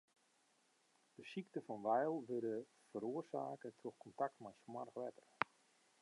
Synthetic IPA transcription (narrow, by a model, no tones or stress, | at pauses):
d̥əsiktəfɔnʋɛjlˠʋødə | fəɾuərsa̰ːkətʰroxkʰɔntak̚tmɛjsmarxʋɛtər